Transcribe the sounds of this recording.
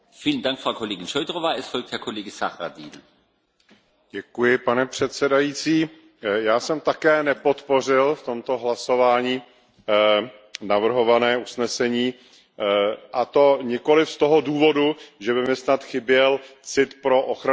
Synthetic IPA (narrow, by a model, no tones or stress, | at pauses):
fiːləndaŋkfʁawkʰoleːɡɪnʃɔʏdʁovaːɛstfɔlk̚thɛɐkʰoleːɡəsaxʁadḭːn | ɟɛkujɪpanɛpr̝̥ɛt̪sɛdajiːt͡siː | jaːsɛmt̪akɛːnɛpo̞t̪po̞r̝ɪlft̪o̞mt̪o̞ɦlaso̞vaːɲiː | navr̩ɦo̞vanɛːusnɛsɛɲiː | ʔat̪o̞ɲɪko̞lɪfst̪o̞ɦoduːvo̞duʒɛbɪmɪsnat̪xɪbjɛlt͡sɪt̪pɾo̞ʔoxɾa